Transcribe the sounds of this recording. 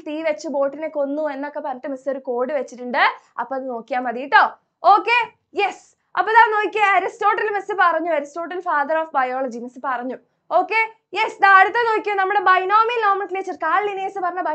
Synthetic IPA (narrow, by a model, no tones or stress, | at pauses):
t̪iːʋet͡ɕːubo̞ːʈːineko̞nːue̞nːo̞kːepɐrɐɲɐʈːɨmeso̞ɾuko̞ːɽɨʋet͡ɕːiʈːuɳɖɨ | ɐ̰pːoɐðɨno̞ːkːijaːmɐðijiʈːo̞ː | oːkːe | jes | ɐpːoðaːno̞ːkʲːuɐɾisto̞ːʈːɐlmesɨpɐrɐɲːuɐɾisto̞ːʈːɐlfaːðɐroːfbɐjoːɭɐd͡ʑimɐsɨpɐrɐɲːu | o̞ːkːe | jesd̪aɐɽut̪ːɐno̞ːikʲːunɐmːuɽebɐjnoːminloːmɐklet͡ɕːɐrkaːɭlineːsɨpɐrɐɲːɐbɐ